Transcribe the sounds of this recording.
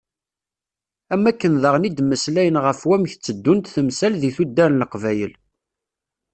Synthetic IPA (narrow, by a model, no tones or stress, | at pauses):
æmːækːənðəʁnid̪mːəslæjənʁəfwæmçt͡sːəd̪ːunt̪θəmsælðiθud̪ːæɾnləqvæjəl